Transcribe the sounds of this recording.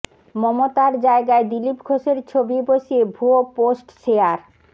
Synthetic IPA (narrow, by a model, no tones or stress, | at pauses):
mɔmot̪aɾd͡ʑaeɡaed̪ilipɡʱoʃeɾt͡ɕʰobiboʃiebʱuoposʈʃeaɾ